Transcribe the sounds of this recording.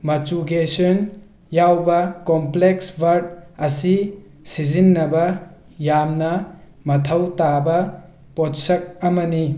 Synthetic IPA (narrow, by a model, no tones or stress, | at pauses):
mɐt͡ʃuɡesɔn | jawbɐkompleksbʱɐɾd̚ɐsi | sizinːɐbɐ | jamnɐ | mɐtʰɐwtabɐ | potsɐk̚ɐmɐni